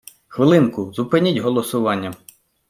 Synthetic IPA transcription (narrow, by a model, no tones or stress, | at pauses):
xʋɪlˠɪnkʊzʊpɪnʲitʲɦɔlˠɔsʊʋɑnʲːɐ